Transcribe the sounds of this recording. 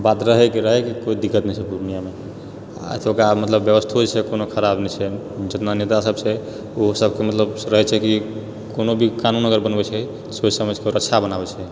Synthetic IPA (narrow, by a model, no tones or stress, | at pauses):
bat̪ɾəɦɛkiɾəɦɛkikoid̪ikːət̪nɛjt͡ʃʰɛd̪ʱuunijame | a̰jt̪ʰokɾamət̪ləbːjəʋəst̪ʰod͡ʒt͡ʃʰɛkonokʰəɾabnɛt͡ʃʰɛ | d͡ʒət̪nanet̪asəbse | osəbkemət̪ləbɾəɦɛt͡ʃʰɛki | konobʱikanunːəɡəɾbənbɛt͡ʃʰɛ | sod͡ʒsəməd͡ʒkeoɾəʃʰabənabɛt͡ʃʰɛ